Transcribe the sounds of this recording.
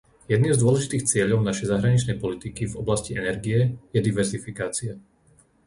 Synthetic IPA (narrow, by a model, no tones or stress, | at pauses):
jɛd̪niːmzd̪ʊɔlɛʒit̪iːxt͡sɪɛʎɔʊnaʃɛjzaɦɾaɲit͡ʃnɛjpɔlit̪ikivɔblasciʔɛnɛɾɡijɛjɛd̪iʋɛɾzifikaːt͡sia